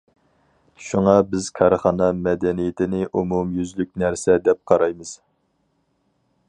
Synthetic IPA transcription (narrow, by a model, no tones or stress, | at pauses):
ʃuŋɑbɪz̥kʰɑɾχɑnɑmɛd̪ɛnijɪt̪ʰɪnɪʔumumjyzlyk̚ʲnæɾsɛd̪ɛp̚qʰɑɾɑjmɨz̥